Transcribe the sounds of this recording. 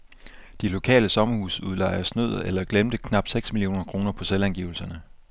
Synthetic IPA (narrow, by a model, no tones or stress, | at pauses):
d̥ilo̝kʰɛ̰ːləsɒ̽mɐhuːsuðˠlɑ̈ɪ̰ɐsnøð̞̰̩ˠelɐɡ̥lemd̥əkʰnɑ̈b̥̚seɡ̥smilio̝̰ːnɐkʰʁo̝ːnɐpʰɒ̽selænɡ̥ḭːʊl̩sɐnə